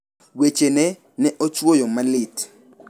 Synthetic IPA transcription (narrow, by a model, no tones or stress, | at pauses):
wet͡ʃenɛ | nɛʔot͡ʃwojomalɪt